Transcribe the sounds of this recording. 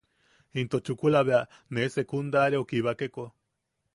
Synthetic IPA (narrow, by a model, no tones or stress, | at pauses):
int̪ot͡ʃukulaβea | nesekund̪aɾeokiβakeko